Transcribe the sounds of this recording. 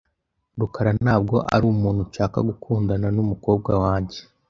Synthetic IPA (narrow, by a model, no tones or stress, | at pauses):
ɾukaɾanaːb̚ɡo̞ʔa̰ɾuːmuːn̥huʃaːka̰ɡukʰuːndananumuko̞ːb̚ɡawaːɲɟe̥